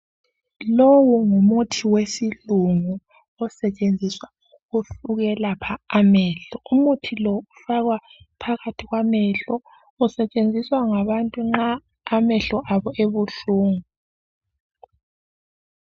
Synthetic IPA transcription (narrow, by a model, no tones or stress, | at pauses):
lowuŋumutʰiwesiluŋu | ɔsɛt͡ʃʼend͡zʱiswa | ufuɣɛlapʰaːmɛɬɔumutʰilɔufaɣwapʰaɣatʰiɣwamɛɬɔ | usɛt͡ʃʼend͡zʱiswaŋaβantʼuŋ͡ǁaː | mɛɬɔʔaβɔʔeβuɬuːŋu